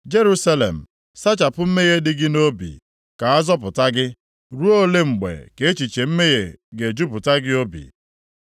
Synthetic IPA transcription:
d͡ʒe˦ɾu˦sa˦lḛ˨m̩˨ | sa˦t͡ʃa˨pʊ˦m̩˦me˦ɣe˦dɪ˦ɡɪ˦no˦bḭ˨ | ka˨a˦zɔ˦p̬ʊ˨ta˦ɡɪ˦ | ɾu˦o˦le˦ŋ͡m̩˨ɡ͡bḛ˨ke˨˦t͡ʃi˨t͡ʃe˨m̩˦me˦je˨ɡe˨d͡ʒu˦pʊ˨ta˦ɡɪ˦o˦bḭ˨

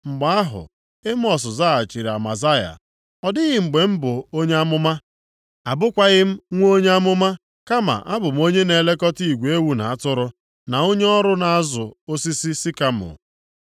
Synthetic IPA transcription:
ŋ͡m̩˨ɡ͡ba˦a˦ɦʊ̰˨ | ɪ˦m̩˦ɔ˨s̬ʊ˨za˦a˨t͡ʃi˨ɾi˨a˨ma̰˨za˦ja̰˨ | ɔ˨dɪ˦ɣɪ˨ŋ͡m̩˨ɡ͡be˨m̩˦bʊ˨o˦ɲe˦a˦mʊ˦ma˦ | a˨bʊ˦kʷa˦ɣɪ˦m̩˦ŋʷ˦o˦ɲe˦a˦mʊ˦ma˦ | ka˦ma̰˨ʔa˦bʊ˨m̩˦o˦ɲe˦ne˨le˦kɔ˦ti˦˨ɡʷe˦wu˦na˨a˦tʊ˦ɾʊ˦ | na˨o˦ɲe˦ɔ˦ɾʊ˦na˨a˦zʊ˨o˦si˦si˦si˦ka˦m˨ʊ̰˨

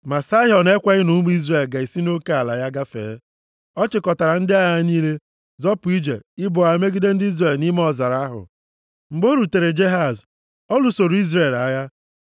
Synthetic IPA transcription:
ma˨sa˦ɦɔ˨ne˦kʷa˦ɪ˦nu˨˦mu˦i˦zre˨lɡa˨i˨si˦no˦ke˦a˨la˨ja˦ɡa˦fḛː˨˦ | ɔ˦t͡ʃɪ˨kɔ˨ta˨ɾa˨n̩˦dɪ˦a˦ja˦niː˦le˦ | zɔ˦pʊ˨i˦d͡ʒe˨ɪ˦bʊ˨a˨e˨˦me˦ɡi˦de˦n̩˦dɪ˦i˦zre˦˨lni˦m˦ɔ˨za˨ɾa˨˦ɦʊ̰˨ | ŋ͡m̩˨ɡ͡bo˦ɾu˨te˨ɾe˨d͡ʒe˦ɦa˨z | ɔ˦lu˨˦so˨ɾu˨i˦zɾe˦˨la˨ja˦

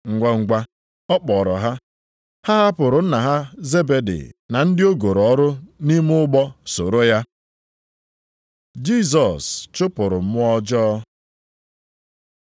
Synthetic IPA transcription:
ŋ̩˨ɡʷa˦ŋ̩˨ɡʷa˦ | ɔ˦k͡pɔ˨ɾɔ˨ɦa˦ | ha˦ɦa˦pʊ˨ɾʊ˨n̩˦na˨ɦa˦ze˦be˨dɪ̰˨na˨n̩˦dɪ˦o˦ɡo˨ɾɔ˦ɾʊ˦ni˦m˦ʊ˦ɡ͡bɔ˦so˨ɾo˦ja˦ | d͡ʒi˦s̬ɔ˨st͡ʃʊ˦pʊ˨ɾʊ˨m̩˨˦mʊ˦ɔ˦d͡ʒɔː˦

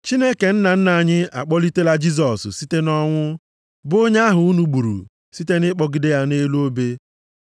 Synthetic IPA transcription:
t͡ʃi˦ne˦ke˨n̩˦na˨n̩˦na˨ɲɪ˦a̰˨k͡pɔ˦li˦te˦la˦d͡ʒi˦z̬ɔ˨ssi˦te˦nɔ˦ŋʷʊ˦ | bo˦ɲa˦a˦ɦʊ˨u˦nu˨ɡ͡bu˨ɾṵ˨ | si˦te˦nɪ˦k͡pɔ˦ɡɪ˨de˦ja˦ne˦lo˦be˦

